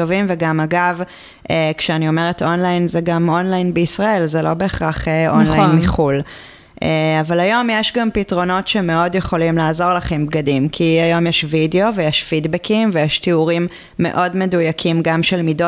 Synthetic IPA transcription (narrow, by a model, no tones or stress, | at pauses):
tovimveɡamaɡav | ekʃeanio̞me̞ʁetʔo̞nlajnzeɡamo̞nlajnbeisʁae̞lzelo̞be̞ːχʁaχeʔonlajnmiχul | eavalajo̞mjeʃɡampitʁo̞no̞tʃeme̞o̞djeχo̞limlaːzo̞ʁlaχembɡadimkʰiajo̞mjeʃvideo̞vejeʃfidbekʰimvejeʃtiuʁimː | e̞̰ʔo̞dme̞dujakʰimɡamʃelmido